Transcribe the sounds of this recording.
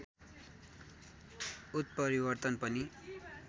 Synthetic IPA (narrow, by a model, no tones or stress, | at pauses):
ut̪̚pʌɾibʌrt̪ʌnpʌni